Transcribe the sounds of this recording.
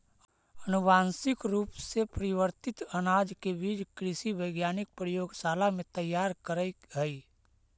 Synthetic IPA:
ənʊbaːnsɪkɾuːpsepəɾɪwəɾt̪ɪt̪ənaːd͡ʒkebiːd͡ʒkɾɪsibəɪɡjaːnɪk̚pɾəjoːɡsaːlamẽt̪əjːaːɾkəɾəiɡəi

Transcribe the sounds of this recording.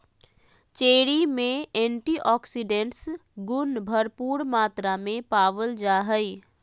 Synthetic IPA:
t͡ʃeːɽimẽɛ̃ːɳʈiʔɔːksiɖeɳʈsɡʊnbʱəɾpuːɾmaːt̪ɾamẽpaːʋəld͡ʒaːɦəi

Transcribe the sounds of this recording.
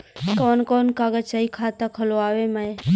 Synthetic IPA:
kɔːnkoːnkaɡət͡ʃaikʰat̪akʰəloaːʋemaj

